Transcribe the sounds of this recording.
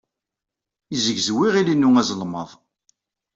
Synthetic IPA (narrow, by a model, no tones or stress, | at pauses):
izəɡzwiʁilinːuŋæzˤlməðˤ